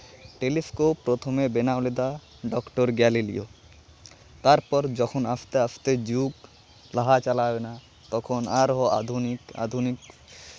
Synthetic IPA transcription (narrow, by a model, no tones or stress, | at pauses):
ʈelifʰkopɾot̪ʰomebenaled̪a | ɖɔkʈoɾɡɛlilḭo | t̪aɾpɔɾd͡ʒɔkʰonaft̪eafʰt̪ed͡ʑuk | laɦat͡ɕalabena | t̪ɔkʰonaɾɦoa̰d̪ʱunika̰d̪ʱunik